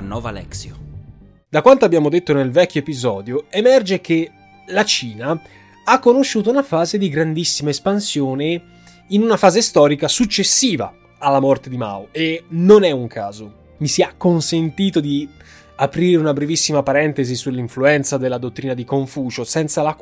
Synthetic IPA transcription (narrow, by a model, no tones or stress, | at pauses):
nːɔːvalɛ̰ksjo | d̪akwant̪oabjaːmod̪et̪ːonelvɛk̟ːoepizɔːd̪joemɛrd͡ʒeke | lat͡ʃiːna | akːonoʃːuːt̪̬ounafaːzed̪iɡɾand̪isːimaespansjoːne | inunafaːzest̪ɔːɾikasut͡ʃːesːiːva̰ | alːamɔrt̪ed̪ima̰oenonɛuŋkʰa̰ːzo | misiakːonsent̪iːt̪od̪i | apɾiːɾeunabɾevisːimapaɾɛnt̪ezisulːiɱfluɛnt̪sad̪elːad̪ot̪ːɾiːnad̪ikoɱfuːt͡ʃosɛnt̪sala